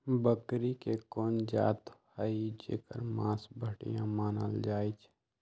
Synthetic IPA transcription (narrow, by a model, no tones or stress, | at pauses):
bəkɾikekoːnd͡ʒa̰ːt̪həid͡ʒḛːkə̰ɾmãːsbʱəʈḭjã̰maːnə̰ld͡ʒaːit͡ʃʰ